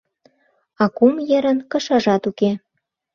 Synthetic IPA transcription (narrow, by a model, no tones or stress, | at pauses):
ɑkumjeɾə̆nkɤ̆ʃɑʒɑt̪uke